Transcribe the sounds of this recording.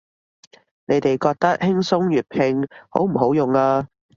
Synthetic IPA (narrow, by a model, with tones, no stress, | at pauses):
ne˨˧jt̪e˨jkɔː˧k̚t̪ɐ˥k̚hɪ˥ŋsʊ˥ŋjyː˨˩t̚pʰɪ˧ŋho̰˨˥wm̩˨˩ɦo˨˥wjʊ˨ŋaː˧